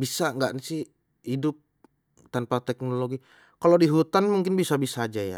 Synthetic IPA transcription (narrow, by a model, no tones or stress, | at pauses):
bisaŋɡaʔnisɪh | idʊp̚ | t̪anpat̪ɛk̚noloɡi | kalodiɦut̪anmuŋkɪnbisabisaːd͡ʒaja̰